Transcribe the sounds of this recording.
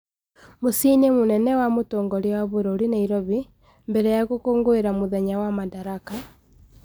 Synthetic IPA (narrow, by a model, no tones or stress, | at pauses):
mosinemonɛnɛwamotoːŋɡɔɾiwaβoɾoɾinaiɾɔβi | mbɛɾɛjaɣokoːŋɡoeɾamoðɛɲawamadaɾaka